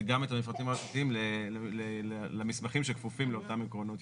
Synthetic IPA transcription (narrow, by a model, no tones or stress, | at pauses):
ɡamet̪amifʁat̪imaat͡sat̪iimlellelamismaχimʃekfufimleo̞tamikʁo̞nut̪